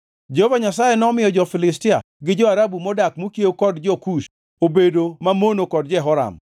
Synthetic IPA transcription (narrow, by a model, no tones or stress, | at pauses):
d͡ʒehovaɲasajenɔmɪjɔd͡ʒɔfɪlɪs̬tɪa | ɡɪd͡ʒɔaɾabumɔdakmukjekɔdd͡ʒɔkuʃ | obedomamonokɔdd͡ʒɛɦɔɾa̰m